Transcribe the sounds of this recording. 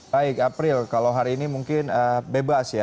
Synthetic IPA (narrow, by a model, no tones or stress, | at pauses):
aɪkapɾɪlkalowɦaɾiːnimuŋkɪnəbebasja